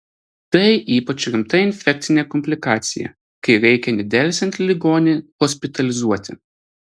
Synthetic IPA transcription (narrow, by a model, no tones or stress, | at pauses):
t̪ɐɪʔiːpɐt͡ʃʲɾʲɪmt̪ɐɪnʲfʲɛk̚ʲt̪sʲɪnʲekɔmʲpʲlʲɪkɑːt̪sʲɪjɛ̰ | kɐɪɾʲɛɪkʲɛnʲɛd̪ʲɛˑlʲsʲɛnt̪ʲlʲɪɡoːnʲɪhɔsʲpʲɪt̪ɐlʲɪzuɔt̪ʲɪ̰